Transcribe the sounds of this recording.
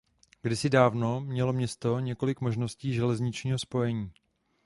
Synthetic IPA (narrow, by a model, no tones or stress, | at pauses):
ɡdɪsɪdaːvno̞mɲɛlo̞mɲɛst̪o̞ɲɛko̞lɪkmoʒno̞sciːʒɛlɛzɲɪt͡ʃɲiːɦo̞spo̞jɛɲiː